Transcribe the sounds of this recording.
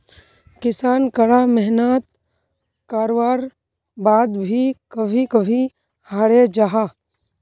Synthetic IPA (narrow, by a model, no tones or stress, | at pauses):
kɪsaːnkəɽamɛɦnət̪ | kaːɾoʋaːɾ | baːd̪bʱikəbʱikəbʱi | haːɽed͡ʒaɦa